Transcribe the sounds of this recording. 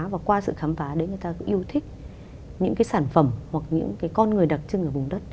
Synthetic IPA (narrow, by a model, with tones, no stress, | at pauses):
vaː˨˩kwaː˧sɨ̰˧˨xaː˨˦mfaː˨˦ɗe˨˦ŋɨ˨˩jt̪aː˧kʊ̰˧˥ŋ͡mʔi˧əwt̪ʰï˦˥k̟̚ | ɲɨ̰˧˥ŋkaː˨˦jsaː˧˩nfə˧˩mhwa˨˩k̚ɲɨ̰˧˥ŋkaː˨˦jkɔ˧nŋɨ˨˩əjɗa˨˩t̚t͡ɕɨ˧ŋʔəː˧˩vʊ˨˩ŋ͡mɗə˦˥t̚